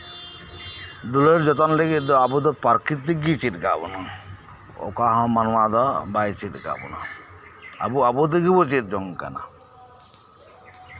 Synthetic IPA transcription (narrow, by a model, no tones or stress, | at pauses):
d̪uleɾd͡ʒɔt̪ɔnleɡit̚d̪ɔabud̪ɔpaɾkit̪̚ːiɡit͡ʃit̪ɡa̰bɔnɔ | ɔ̰kaɦɔ̃manwad̪ɔbajt͡ʃit̪̚ɡa̰bɔ̰nɔ̰ | a̰buabud̪eɡibɔt͡ʃit̪̚d͡ʒɔŋka̰na̰